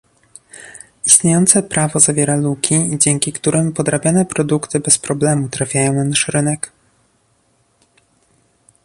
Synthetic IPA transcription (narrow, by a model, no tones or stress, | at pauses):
ist̪ɲejɔnt̪sɛpɾavɔzavʲjɛɾalukʲʰiid͡ʑɛŋkʲikt̪uɾɘmpɔd̪ɾabʲjanɛpɾɔd̪ukt̪ɘbɛspɾɔblɛmut̪ɾafʲjajɔ̃w̃nanaʂɾɘnɛk